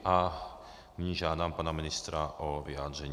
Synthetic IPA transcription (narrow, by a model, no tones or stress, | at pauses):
a | miɲiʒad̪aːmpaːnaminist̪ɾaʔɔʋiad̪ɾɛɲ